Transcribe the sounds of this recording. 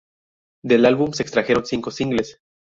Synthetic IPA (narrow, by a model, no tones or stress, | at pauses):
d̪elalβumse̞ːkst̪ɾaxe̞ɾo̞nsiŋko̞siŋɡles